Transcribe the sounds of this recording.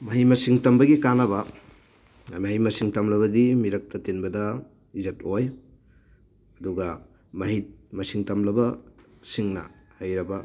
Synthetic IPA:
mɐɦimɐsiŋtɐmbɐɡikanɐbɐ | mɐɦijmɐsiŋtɐmlɐβɐdimiɾɐk̚tɐtenbɐdɐ | izetoj | ɐduɡɐ | mɐɦimɐsiŋtɐmlɐbɐsiŋnɐ̰hɐjɾɐbɐ

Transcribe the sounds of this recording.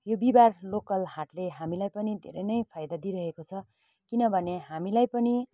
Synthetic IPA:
jobibarlokʌlɦaʈleɦamilajpʌnid̪ʱḛɾʌjnʌjpʰajd̪ad̪iɾʌɦekot͡sʰʌ | kinʌbʱʌneɦamilajpʌni

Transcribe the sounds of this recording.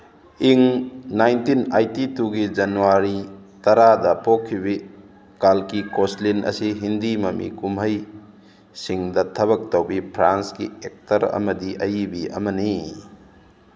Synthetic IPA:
iŋnajntinajtituɡid͡ʒɐnuaɾitɐɾadɐpokʰːiβi | kalkikoslinʔɐ̰siɦindimɐmḭkumɦɐj | siŋdɐtʰɐβɐk̚towbipʰɾansɡiek̚tɐɾɐ̰mɐdiʔɐjibiʔɐ̰mɐni

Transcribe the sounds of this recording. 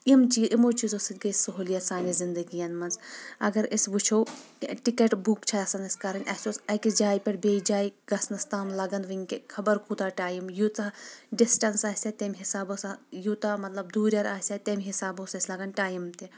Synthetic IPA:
imt͡ʃiːʔimot͡ʃizoːsit̪ʲɡɐsɐɦuːlijɐt̪saːnizind̪ɐɡijɐnmɐnzɐ̰ɡɐɾisʋut͡ʃʰowʈikeʈbukt͡ʃʰaɐsɐnɐsʲkɐɾɐnʲʔɐsʲoːsɐkid͡ʒaːjpʲɐɾbeːid͡ʒaːjɡɐsnɐst̪aːmlɐɡɐnʋiŋkekʰɐbɐɾkuːt̪aːʈaːjimjut̪ɐɖisʈɐnsaːsʲet̪emʲɦisaːbosajut̪amɐt̪lɐbd̪uːɾʲɐɾaːsʲet̪emʲɦisaːbosɐsʲlɐɡɐnʈaːjimt̪e

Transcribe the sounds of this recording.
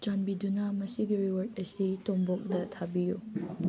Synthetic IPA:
d͡ʒanbidunamɐsiɡiɾiwɐt̚ɐsitombok̚dɐtʰabiju

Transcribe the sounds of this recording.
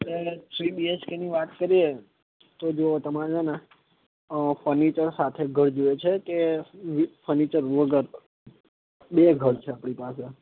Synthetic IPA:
tet̪ʰɾibieskeniʋat̪kəɾie | t̪od͡ʒot̪əmaɾd͡ʒəna | fəɾnit͡ʃəɾsat̪ʰeɡʱəɾd͡ʒoet͡ʃʰekeʋifəɾnit͡ʃəɾʋəɡəɾ | ɓeɡʱəɽt͡ʃʰeapɽ̃ipase

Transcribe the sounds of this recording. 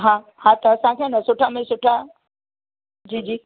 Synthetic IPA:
ɦãː | hãːt̪ɐɐsãkʰenɐsʊʈʰamẽsʊʈʰa | d͡ʑiːd͡ʑiː

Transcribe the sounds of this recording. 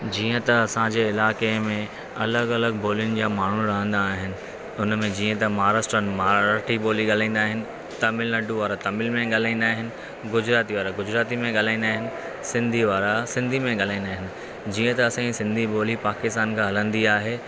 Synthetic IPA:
d͡ʑiːə̃t̪ɐɐsãd͡ʑeːɪlaːkemẽ | ɐləɡɐləɡ̚boːlijʊnɪ̆d͡ʑaːmaːɳ̤uɾɐɦə̃nd̪aːɦɪnɪ̆ | ʊnmẽd͡ʑiːə̃t̪ɐmaːɾaːsʈɾənmaːɾʈiboːliɠaːl̤ãĩːn̆d̪aːɦɪnɪ̆ | t̪ɐmɪlnɐɖʱuʋaːɾat̪ɐmɪlmẽɠaːl̤ãːĩnd̪aːɦɪnɪ̆ | ɡʊd͡ʑɾaːt̪iʋaːɾaɡʊd͡ʑɾaːt̪imẽɠaːl̤ãːĩːnd̪aːɦɪnɪ̆ | sɪ̃nd̪ʱiʋaːɾasɪ̃nd̪ʱimẽɠaːl̤aːĩːnd̪aːɦɪnɪ̆ | d͡ʑiːə̃t̪ɐɐsãĩsɪ̃nd̪ʱiɓoːlipaːkɪst̪aːnkʰãɦɐlə̃nd̪iaːɦeː

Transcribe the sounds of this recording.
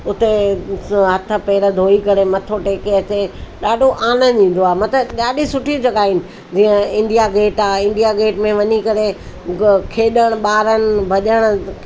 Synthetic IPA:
ʊt̪e | ɦɐt̪ʰə̆peːɾəd̪ʱoːikɐɾemɐt̪ʰoʈeːkeɐt͡ɕeɗaːɖʱoʔaːnəɗĩːn̆d̪oaːmɐt̪əɗaːɗʱisʊʈʰid͡ʑɐɠaːɪnɪ̆ | d͡ʑiːə̃ɪ̃ɳɖijaɡeːʈaːɪ̃ɳɖijaɡeːʈmẽʋɐɲikɐɾe | kʰeːɗəɽ̃̆ɓaːɾənɪ̆bʱɐʄəɽ̃ʊ̆

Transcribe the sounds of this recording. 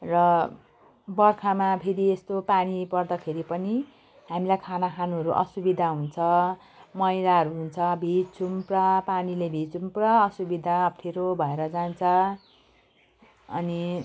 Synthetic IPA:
rʌ | bʌrkʰamapʰeɾiest̪opanipʌrd̪akʰeɾipʌni | ɦamilajkʰanakʰanuɦʌɾuʔʌ̰subid̪ʱaɦunt͡sʰʌ | mʌjlaɦʌɾuɦunt͡sʰʌbʱit͡sʰumprʌpanilebʱit͡sumprʌʌsubid̪ʱaːpʈʰiɾobʱʌeɾʌd͡zant͡sʰʌ | ʌ̰ni

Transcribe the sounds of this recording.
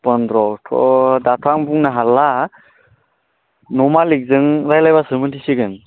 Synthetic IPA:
pəndɾɔtʰɔ̰datʰaŋbuŋnaɦala | nɔmalik̚zɯŋɾajlajbasɯmɯntʰiseɡɯn

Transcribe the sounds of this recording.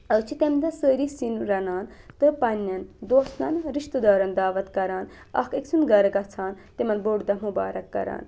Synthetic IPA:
ɐt͡ʃʰit̪emd̪ɐsəːɾisinɾɐnaːnt̪ɨpɐnːɐnd̪oːsnɐnɾiʃt̪ɨd̪aːɾɐnd̪aːʋɐt̪kɐɾaːn | ɐ̰keksʰunɡɐɾɐkɐt͡sʰaːn | t̪emɐnboɖd̪ɐmubaːɾɐkːɐ̰ɾa̰ːn

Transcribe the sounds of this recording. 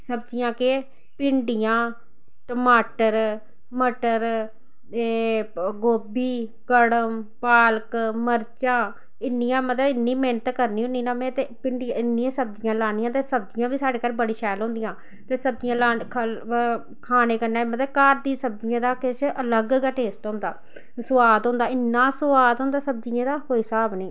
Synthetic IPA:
səbd͡ʒɪjãːkɪ | pɪɳɖɪjãː | ʈəmaːʈəɾ | məʈəɾ | ɡoːbiː | kəɽəmpaːlkməɾt͡ʃãː | ɪnːɪjãːmət̪ləbɪnːiːmeːnət̪ːkəɾniːɦʊ̃nd̪iːnaːmɛ̃ːt̪eːpɪɳɖɪãɪnːiãːsəb̚d͡ʒɪjãːlaːnijãːt̪eːsəb̚d͡ʒɪjãːbiːsaːɖeːkaːɾbəɽiːʃɛːlɦõnd̪ɪjãː | t̪eːsəb̚d͡ʒɪjãːlaːkʰ | kʰaːneːkəɾnaːmət̪ləb̚kaːɾd̪ĩːsəb̚d͡ʒɪjãːd̪aːkɪt͡ʃələɡɡaʈeːsʈɦõːnd̪aː | sʊʋaːd̪ɦõːnd̪aːɪnːãːsəʋaːd̪ɦõnd̪aːsəb̚d͡ʒɪjãːd̪aːkoːisaːbniː

